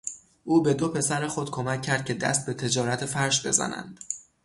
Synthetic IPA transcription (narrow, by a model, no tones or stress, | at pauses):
ʔuːbe̞d̪opʰe̞sæɾexχo̞d̪̥̚kʰo̞mæcʰːæɾd̪̚cʰʲe̞d̪æ̰st̪̚be̞t̪ʰe̞d͡ʒɒːɾæt̪ʰefæɾʃbe̞̰zæ̰næ̰nd̪̥